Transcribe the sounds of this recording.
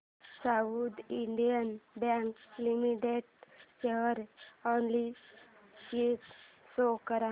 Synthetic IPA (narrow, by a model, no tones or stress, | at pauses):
saud̪iɳɖijənbãŋklimiʈeɖt͡ɕeɦəɾonli | ɕit̪ | sokəɾa